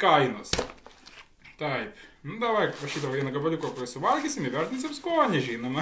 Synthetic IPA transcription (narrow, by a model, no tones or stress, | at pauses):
kɐɪnoːs | t̪ɐɪpnʊd̪ɐʋɐɪrɐʃʲiːd̪ɐʋoːʋʲiɛnɐɡɐbɐlʲɪkoːkoɾʲɪsʊʋɐlʲkʲesʲɪmɪʋʲɛrʲt̪ʲɪnʲsʲɐpskoːnʲɛʒʲinʊmɐ